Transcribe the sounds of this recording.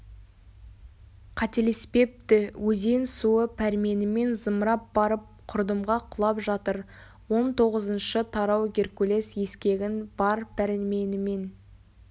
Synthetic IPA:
qʰɑt̪elespe̞p̚t̪ɪwɵze̞nsuəpʰæɾme̞nɪme̞nzəmɾɑp̚bɑɾəp̚qʰʊɾd̪əmʁɑqʰʊlˠɑpʒɑt̪əɾ | wo̞nt̪ʰo̞ʁəzənʃət̪ʰɑɾɑwɡʲe̞rkule̞sje̞skʲe̞ɡʲɪnbɑɾpʰæɾɪnme̞nɪme̞n

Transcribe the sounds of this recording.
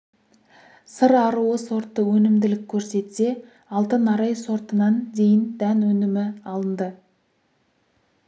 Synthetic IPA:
səɾɑɾuəso̞ɾt̪ːəwɵnɪmd̪ɪlɪkʲʰːɵɾse̞t̪se̞ | ɑlˠt̪ənɑɾɑjso̞ɾt̪ənɑnd̪e̞jɪnd̪̥ænwɵnɪmɪɑlˠənd̪ə

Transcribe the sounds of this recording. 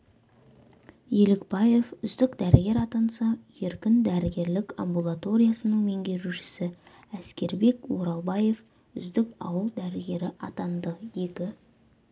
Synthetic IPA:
je̞lɪkbɑje̞fʏzd̪ɪkd̪æɾɪɡʲe̞ɾɑt̪ɑnsɑje̞ɾkʲɪnd̪æɾɪɡʲe̞ɾlɪka̰mbulˠat̪o̞ɾʲijasənəɴme̞ŋɡʲe̞ɾuʃɪ̥sɪ | æskʲe̞ɾbe̞kwoɾɑlˠbɑje̞f | ʏzd̪ɪkɑ̰wəlˠd̪æɾɪɡʲe̞ɾɪʔɑt̪ɑnd̪əje̞kʲɪ

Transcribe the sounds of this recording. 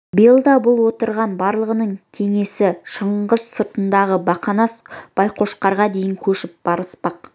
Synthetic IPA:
bijəlˠd̪ɑbʊlˠwo̞t̪əɾʁɑnbɑɾlˠəʁənəɴkʲʰe̞ŋe̞sɪʃəɴʁəz̥səɾt̪ənd̪ɑʁəbɑqɑnɑsb̥ɑjqʰo̞ʃqɑɾʁɑd̪e̞jɪŋkʲʰɵʃɪp̚b̥ɑɾəspɑq

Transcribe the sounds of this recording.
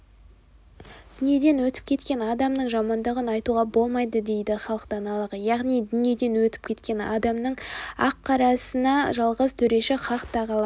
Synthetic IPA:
d̪̥ʏnije̞d̪e̞nwɵt̪ɪ̥p̚kʲʰe̞t̪kʲe̞nɑd̪ɑmnəɴʒɑmɑnd̪əʁənɑjt̪uʁɑbo̞lˠmɑjd̪əd̪e̞jd̪ɪχɑlˠəqd̪ɑnɑlˠəʁəjɑʁnijd̪ʏnije̞d̪e̞nwɵt̪ɪ̥p̚kʲʰe̞t̪kʲe̞nɑ̰d̪ɑmnəɴɑqʰːɑɾɑsənɑʒɑlˠʁəzt̪ʰɵɾe̞ʃɪχʰɑqt̪ɑʁɑlˠɑ

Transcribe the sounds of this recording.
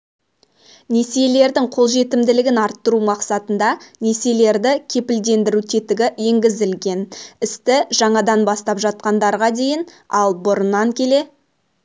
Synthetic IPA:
ne̞siele̞ɾd̪ɪŋqʰo̞lˠʒe̞t̪ɪmd̪ɪlɪɡʲɪnɑɾt̪ːəɾumɑqsɑt̪ənd̪ɑne̞se̞le̞ɾd̪ɪkʲʰe̞pɪld̪e̞nd̪ɪɾut̪ʰet̪ɪɡʲɪje̞ŋɡʲɪzɪlɡʲe̞nɪst̪ɪʒɑɴɑd̪ɑnbɑst̪ɑpʒɑt̪̚qɑnd̪ɑɾʁɑd̪e̞jɪn | ɑ̰lˠbʊɾənːɑŋkʲʰe̞le̞

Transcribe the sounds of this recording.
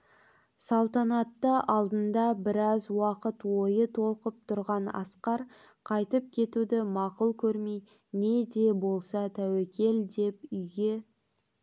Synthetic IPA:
sɑlˠt̪ɑnɑt̪ːəʔɑlˠd̪ənd̪ɑbɪɾɑzwɑqət̪wo̞jət̪ʰo̞lˠqəp̚t̪ʰʊɾʁɑnɑ̰sqɑɾ | qʰɑjt̪əp̚kʲʰe̞t̪ud̪ɪmɑqʊlˠkʲʰɵɾmej | ne̞d̪e̞bo̞lˠsɑt̪ʰæwekʲe̞ld̪e̞pʏjɡʲe̞

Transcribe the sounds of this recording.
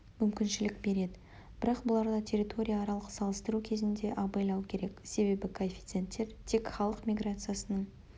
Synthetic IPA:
mʏmkʲɪnʃɪlɪk̚be̞ɾe̞d̪ɪ | b̥ɪɾɑqbʊlˠɑɾd̪ɑt̪ʲʰe̞ɾʲit̪ʰo̞ɾʲijaːɾɑlˠəʁəsɑlˠəst̪əɾukʲʰe̞zɪnd̪e̞ʔɑbɑjlˠɑwkʲʰe̞ɾe̞kse̞be̞bɪkʰoefʲi̥t̪se̞nt̪ːe̞ɾt̪ʰe̞kχɑlˠəqmʲijɡɾat̪sɨjasənəɴ

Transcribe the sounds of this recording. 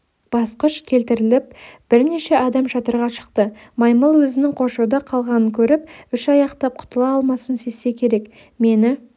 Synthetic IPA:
b̥ɑsqəʃkʲʰe̞lt̪ɪɾɪlɪp̚b̥ɪɾne̞ʃe̞ʔɑd̪ɑmʒɑt̪əɾʁɑʃə̥qt̪ə | mɑjməlˠwɵzɪnɪŋqʰo̞ʃuwd̪ɑqʰɑlˠʁɑnəŋkʲʰɵɾɪpʏʃɑjɑqt̪ɑp̚qʰʊ̥t̪əlˠɑɑlˠmɑsənse̞sːe̞kʲʰe̞ɾe̞k | me̞nɪ

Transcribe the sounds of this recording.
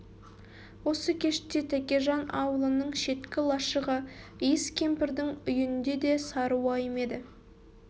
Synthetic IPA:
wo̞səkʲʰe̞ʃɪ̥t̪ːe̞t̪ʰækʲeʒɑnɑwəlˠənəɴʃe̞t̪kʲɪlˠɑʃəʁəijəskʲʰe̞mpɪɾd̪ɪŋʏjɪnnd̪e̞d̪e̞sɑɾuwɑjəme̞d̪ɪ

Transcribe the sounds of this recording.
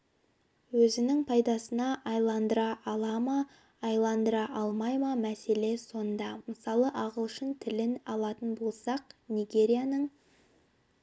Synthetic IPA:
wɵzɪnɪŋpʰɑjd̪ɑsənɑʔɑjlˠɑnd̪əɾɑʔɑlˠɑmɑː | jlˠɑnd̪əɾɑʔɑlˠmɑjmɑmæse̞le̞so̞nd̪ɑməsɑlˠəʔɑʁəlˠʃənt̪ʰɪlɪnɑlˠɑt̪ənbo̞lˠsɑqnijɡʲe̞ɾʲijanəɴ

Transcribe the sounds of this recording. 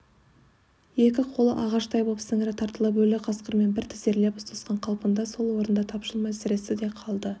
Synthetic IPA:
je̞kʲɪqʰo̞lˠə̰ʔɑʁɑʃt̪ʰɑjbopsɪŋɾɪt̪ʰɑɾt̪əlˠəp̬wɵlɪqʰɑsqəɾme̞nbɪɾt̪ʰɪ̥zeɾle̞pʊst̪ʰɑsqɑɴqʰɑlˠpənd̪ɑso̞lˠwo̞ɾənd̪ɑt̪ʰɑpʃəlˠmɑjsɪɾe̞sɪd̪e̞qʰɑlˠd̪ə

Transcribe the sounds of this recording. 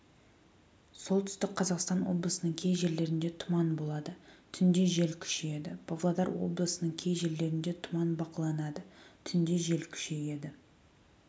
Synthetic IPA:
so̞lˠt̪ʰʏst̪ɪk̚qʰɑzɑqst̪ɑnwo̞̰blˠəsənəɴkʲʰe̞jʒe̞ɾle̞ɾɪnd̪e̞t̪ʰʊmɑnbo̞lˠɑd̪ət̪ʰʏnd̪e̞ʒe̞lkʲʰʏ̥ʃeje̞d̪ɪb̥ovlˠɑd̪ɑɾwo̞̰blˠəsənəɴkʲʰe̞jʒe̞ɾle̞ɾɪnd̪e̞t̪ʰʊmɑnbɑqəlˠɑnɑd̪ət̪ʰʏnd̪e̞ʒe̞lkʲʰʏ̥ʃe̞je̞d̪ɪ

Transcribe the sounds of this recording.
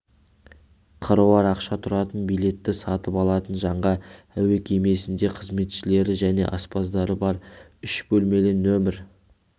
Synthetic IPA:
qʰəɾəwɑɾɑqʃɑt̪ʰʊɾɑt̪ənbijle̞t̪ːɪsɑt̪əpɑlˠɑt̪ənʒɑɴʁɑ | æwe̞kʲʰeme̞sɪnd̪e̞qʰəzme̞t̪ʃɪle̞ɾɪʒæne̞̰ʔɑspɑzd̪ɑɾəbɑɾʏʃbɵlme̞lɪnːɵmɪɾ

